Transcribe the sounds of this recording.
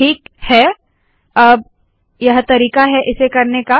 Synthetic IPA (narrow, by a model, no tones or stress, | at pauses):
ʈʰiːkhɛː | ɐb̚ | jɐɦt̪ɐɾiːkaɦɛʔɪsekɐɾneka